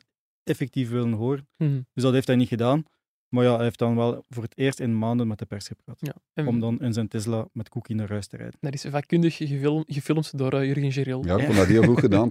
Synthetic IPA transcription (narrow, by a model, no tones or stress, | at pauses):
ɛfɛk̚tifʋɪlənɦoːɾənd̥ʏs̬dɑthejftɦɛjnixədaːn | marjaːɛeft̚dɑnʋɛlˠvoːrɦətʰeːrstɪnəmaːndənmɛtdəpɛrsxəpraːtɔmdɑnənzɛntɪzlamɛtkukinaːrœːstərɛ̰jdə̥ndɑtɪsvaːkːʏndəxɣəɣəfɪlˠmtdoɾəyrɣənʒeɾɪlˠjaːkɔmdateːlvruxxədaːn